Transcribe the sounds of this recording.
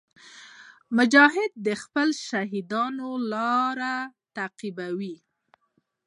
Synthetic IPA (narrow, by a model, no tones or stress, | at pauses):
mʊd͡ʒɑɦɪd̪̚ːəxpəlʃaɦid̪ɑnolɑɾat̪aqibawi